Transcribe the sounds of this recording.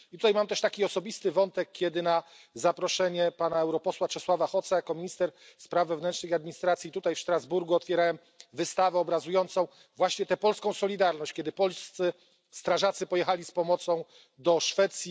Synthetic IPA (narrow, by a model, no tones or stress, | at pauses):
it̪u̥t̪ajmamt̪ɛʂt̪akʲiɔsɔbʲist̪ɘvɔnt̪ɛkʲːjɛd̪ɘna | zapɾɔʂɛɲɛpanaɛwɾɔpɔswat͡ʂɛswavaxɔt̪sajakɔmʲiɲist̪ɛɾspɾavːɛvnɛnt͡ʂʂnɘxad̪mʲiɲist̪ɾat̪sʲjit̪ut̪ajfʂt̪ɾazbuɾɡuɔt̪fʲjɛɾawɛm | vɘst̪avɛɔbɾazujɔnt̪sɔ̃w̃ | vwaɕɲɛt̪ɛpɔlskɔ̃w̃sɔlʲid̪aɾnɔɕt͡ɕkʲɛd̪ɘpɔlst̪sɘ | st̪ɾaʐat̪sɘpɔjɛxalʲispɔmɔt̪sɔ̃w̃ | d̪ɔʂfɛt̪sʲji